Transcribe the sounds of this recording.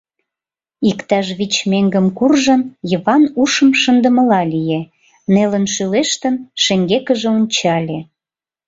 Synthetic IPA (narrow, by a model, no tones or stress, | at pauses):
ikt̪ɑʃβit͡ɕmeŋɡəmkurʒənjəβɑnuʃəmʃə̆nd̪əməlɑlʲije | nelənʃyleʃt̪ənʃeŋɡekəʒĕonʲt͡ɕɑlʲe